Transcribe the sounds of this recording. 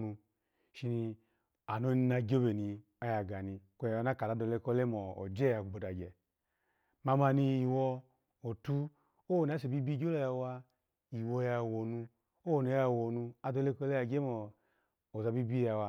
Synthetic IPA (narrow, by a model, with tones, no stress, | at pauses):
nu˧ | ʃi˧ni˧ | a˨no˦ni˧na˧ɡʲo˦be˨ni˧ | a˦ja˨ɡa˨ni˧kɔ˧ja˨a˧na˦ka˨da˨˦do˧˨le˧kɔ˧˦le˦mɔ˨ɔ̰˨d͡ʒɛ˦ja˧˨ku˨ɡ͡bo˨da˨ɡɛ̰˨ | ma˧ma˧ni˧i˨wɔ˧ | o˨tu˦ | o˦o˨n˨a˦se˨bi˦bi˦ɡo˦lɔ˨˧ja˧wa˧ | i˨wɔ˧ja˧˨wɔ˨nu˧ | o˦wo˨ni˨˦ja˧˨wɔ˨nu˧a˧˦do˧le˦kɔ˧˦le˦a˧˨ɡe˦mɔː˨ | za˧bi˦bi˦ja˧wa˧